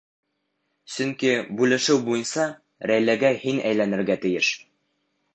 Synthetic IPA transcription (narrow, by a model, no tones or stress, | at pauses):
sɵ̆ŋkibʉlɘ̆ʃɘwbujɤ̆nsɑ | ɾæjlæɡæhinæ̰jlænɘ̆ɾɡæt̪ɘ̆jɘʃ